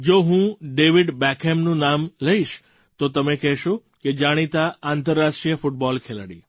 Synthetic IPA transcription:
d͡ʑoːɦũɖeːʋɪɖbɛːkʰemnũnaːmlɐiʃ | t̪oːt̪ɐmẽkɛɦʃo | ked͡ʑaːɽ̃it̪aãːnt̪əɾːaːʃʈɾijəfʊʈ̚bɔːlkʰeləɽḭː

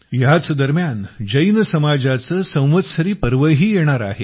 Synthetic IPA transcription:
jat͡sd̪əɾmjand͡ʑəjnəsəmad͡ʑat͡səsə̃w̃ʋət̪səɾiːpəɾʋəɦiːjeɽ̃aɾa̰ɦe

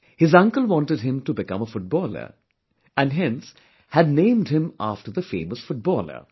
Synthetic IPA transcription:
hɪzʌ̃ŋkəlˠwɑ̃nʈəd̚ɦɪ̃mtubɪkʌ̰̃məfʊʈ̚bɔːlə̰ɹ | æ̃nɦɛ̃ns | hædnẽɪmɖhɪ̃ma̰fʈəɾðəfḛ̃ːməsfʊʈ̚bɔlə̰ɾ

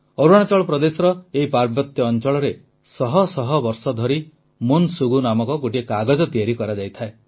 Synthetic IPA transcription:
ɔɾuaɽ̃at͡ʃɔɭɔpɾɔd̪esɔɾɔeɦipaɾbɔt̪jɔːnt͡ʃɔɭɔɾe | sɔɦɔsɔɦɔbɔɾsɔd̪ʱɔɾi | munsuɡunamɔkɔɡoʈiekaɡɔd͡ʒɔt̪iaɾikɔɾad͡ʒajt̪ʰae

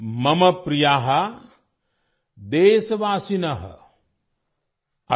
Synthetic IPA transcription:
mɐmɐpɾijaːɦɐ | d̪eːsɐʋaːsinɐɦɐ̰ | ɐ

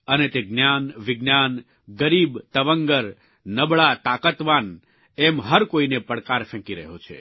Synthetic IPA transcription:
ənet̪eɡnjanʋɪɡnjan | ɡəɾibt̪əʋəŋɡəɾ | nəbɭat̪akət̪ʋan | ɛmɦəɾkoinepəɽkaɾfʰɛ̃kiɾə̰ɦot͡ʃʰḛ

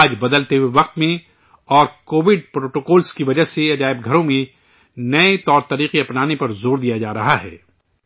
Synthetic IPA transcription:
aːd͡ʒbɐd̪əlt̪eɦuweʋɐq̚t̪mẽ | ɔːɾkoːʋɪɖ̚pɾoːʈoːkɔːlskiʋɐd͡ʒəɦseɐd͡ʒaːɪbɡʱɐɾõmẽ | nɐet̪ɔːɾt̪ɐɾiːqiɐpnaːnepɐɾzoːɾd̪ijad͡ʒaːɾɐɦaɦɛ̰ː

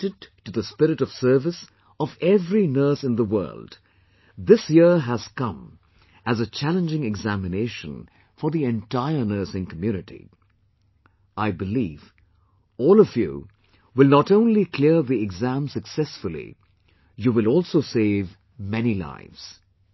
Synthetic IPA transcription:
tɨd̚tɨðəspɪɾɨɾʌv̥sɜ˞vɨs | ʌvɛvɹinɜ˞sɨ̃nðəwɜ̰˞lˠd | ðɪsjɪɹɦəz̥kʌ̃m | ɨzət͡ʃʰælə̃nd͡ʒɪ̃ŋɨɡzæmɨneɪʃə̰̃n | fə˞ðiɨ̃ntaɪə˞nɜ˞sɪ̃ŋkʰmjʉnɨɾḭ | ʔaɪbɨliv | ɔːlˠʌvjṵ | wɪlˠnəɾõʊ̃nlikʰl̥ɪɹðiɨɡzæ̃msɨksɛsfəlˠḭ | jɨwɨlˠɔlˠsoʊseɪv | mɛnila̰ɪvz̥

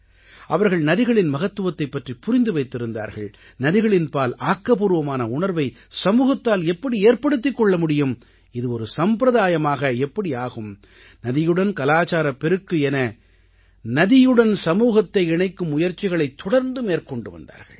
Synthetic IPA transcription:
ʔɐʋɐɾɣɐɭnɐðɪɣɐɭɪnmɐɣɐt̪ːɯʋɐt̪ːɐɪpːɐʈripʊɾɪnd̪ɯʋɐɪt̪ːɪɾɯnd̪a̰ːɾɣɐ̰ɭ | nɐðɪɣɐɭɪnpaːlaːkːɐpuːɾɯʋɐmaːnɐʊɳɐɾʋɐɪ | sɐmuːɣɐt̪ːaːlɛpːɐɽieːɾpɐɽɯt̪̬ːɪkːɔɭːɐmʊɽɪjɯm | ɪðɯɔɾɯsɐmpɾɐðaːjɐmaːɣɐɛpːɐɽiaːɣɯm | nɐðɪjɯɽɐnkɐlaːt͡ʃaːɾɐpɛɾɯkːɯɛnɐ | nɐðɪjɯɽɐnsɐmuːɣɐt̪ːɐɪɪɳɐɪkːɯmʊjɐɾt͡ʃːɪɣɐɭɐɪt̪ʰːɔɽɐɾnd̪ɯmeːɾkɔɳɖɯʋɐ̰nd̪a̰ːɾɣɐ̰ɭ

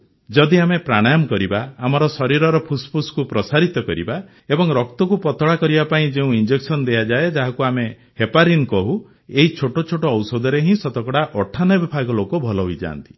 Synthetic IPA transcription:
d͡ʒɔd̪iamepɾaɽ̃ajamɔkɔɾibaːmɔɾɔsɔɾiɾɔɾɔpʰuspʰuskupɾɔsaɾit̪ɔkɔɾḭba | ebɔŋɾɔkt̪ɔkupɔt̪ɔɽakɔɾibapaĩd͡ʒeũind͡ʒeksɔnɔd̪ejad͡ʒaed͡ʒaɦakuame | hepaɾinkɔɦu | eɦit͡ʃʰoʈot͡ʃʰoʈɔːwsɔd̪ɔɾeɦĩsɔt̪ɔkɔɽaʔɔʈʰanɔbibʱaɡɔlokobʱɔlɔɦujd͡ʒa̰ːnt̪i̥

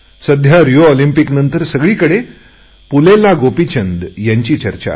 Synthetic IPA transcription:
səd̪ʱjaɾijoolimpiknənt̪əɾsəɡɭiːkəɽe | pulelaɡopit͡ɕʰənɖ̪jaɲt͡ɕiːt͡ɕəɾt͡ɕa̰

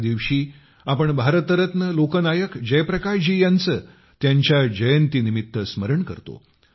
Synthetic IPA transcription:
d̪iʋɕiː | apəɳbʱaɾət̪əɾət̪nəlokənajəkd͡ʑejpɾəkaɾd͡ʑijant͡səː | t̪jaɲt͡ɕjad͡ʑəjənt̪inimit̪ːəsməɾəɳkə̰ɾt̪o̰

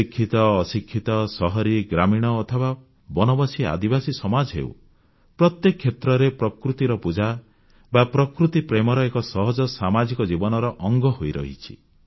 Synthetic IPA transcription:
ikʰːit̪ɔːsikʰːit̪ɔsɔɦɔɾiɡɾamiɽ̃ɔːt̪ʰɔba | bɔnɔbɔsia̰d̪ibasisɔmad͡ʒɔɦḛw̰ | pɾɔt̪jekɔkʰːet̪ɾɔɾepɾɔkɾut̪iɾɔpud͡ʒa | bapɾɔkɾut̪ipɾemɔɾɔekɔsɔɦɔd͡ʒɔsamad͡ʒikɔd͡ʒibɔnɔɾɔʔɔŋɡɔɦojɾɔ̰ɦḭt͡ʃʰḭ

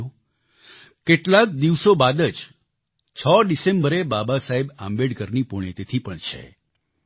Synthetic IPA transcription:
o | keʈlak̚d̪iʋsobad̪əd͡ʒ | t͡ʃʰəɖisẽmbəɾebabasaɦebã̰mbeɽkəɾnipoɽ̃et̪et̪ʰipəɳt͡ʃʰḛ

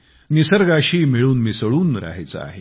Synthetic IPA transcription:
nisəɾɡaɕiːmiɭuːnmisəɭuːnɾa̰ɦejt͡sa̰a̰ɦe

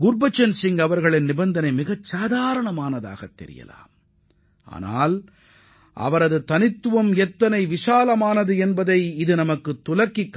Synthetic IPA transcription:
ɡʊɾbɐt͡ʃːɐnsɪŋɡɐʋɐɾɣɐɭɪnːɪbɐnd̪ɐnɐɪmɪɣɐt͡ʃsaːðaːɾɐɳɐmaːnɐða̰ːɣɐt̪ːɛ̰ɾɪ̰jɐ̰la̰ːm | a̰ːna̰ːl | ʔɐ̰ʋɐɾɐðɯt̪ɐnɪt̪ːɯʋɐmɛt̪ːɐnɐɪʋɪʂaːlɐmaːnɐðɯɛnbɐðɐɪɪðɯnɐmɐkːɯt̪ːʊlɐkːɪkː

